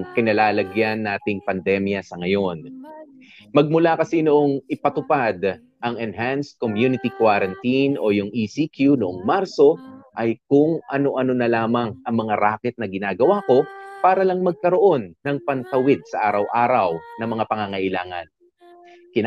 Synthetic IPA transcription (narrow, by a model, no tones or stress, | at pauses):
ŋkɪnɐlaːlɐɡjanːaːt̪ɪŋpɐnd̪ɛmjɐsɐŋɐjo̞n | mɐɡ̚mʊlakɐsinoʔo̞ŋɪpɐt̪ʊpad̪ | ʔɐŋɛnɦanskomjunɪt̪ikwaɾɐnt̪inʔo̞jʊŋʔisikʰjunoʔoŋmaɾso̞ʔɐjkʊŋʔɐno̞ʔɐno̞nɐlaːmɐŋʔɐŋmɐŋaɾaːkɪt̪̚nɐɡɪnaːɡɐwako̞paːɾɐlɐŋmɐɡ̚kɐɾo̞ʔo̞nːɐŋpɐnt̪ɐwɪd̪̚sɐʔaːɾɐwʔaːɾɐwnɐmɐŋapɐŋaŋɐʔɪlaːŋɐ̰n | kɪn